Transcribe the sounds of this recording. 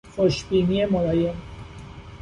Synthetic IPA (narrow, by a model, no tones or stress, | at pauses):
xoʃbiːniemolɒːjen